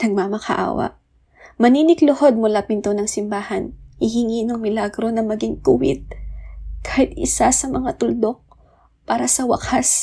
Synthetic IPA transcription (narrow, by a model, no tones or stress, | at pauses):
nɐɡ̚mamɐkɐʔa̰ːwɐ̰ʔ | mɐniːnɪklʊho̞d̪̚mʊlapɪnt̪onɐŋsɪmbaːhɐnhɪɦɪŋinɐŋmɪlaɡɾo̞nɐmɐɡiŋkʊwɪ̰t̪̚ | kaːhɪt̪̚ɪsasɐmɐŋat̪ʊld̪o̞k̚ | paːɾɐsɐwɐ̰kas